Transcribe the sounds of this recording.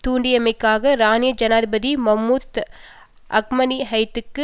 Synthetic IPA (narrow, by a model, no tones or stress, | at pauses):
t̪uːɳɖɪjɐmɐɪkːaːɣɐɾaːnɪjɐd͡ʒɐnaːðɪbɐðimɐmːuːd̪ | ʔɐk̚mɐniɦɐɪt̪ːɯkːɯ